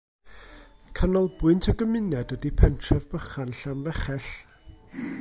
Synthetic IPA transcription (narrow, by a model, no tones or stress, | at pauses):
kʰanɔlˠbʊɨntʰəɡəmɪnɛdwədipʰɛntʰrɛvbəχanɬanvɛχɛɬ